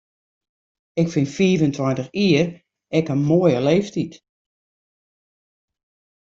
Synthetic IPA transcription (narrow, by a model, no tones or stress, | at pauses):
ɪkfɪnfiːvəntʰwantəxiər | ɛkənmoəjəleːftit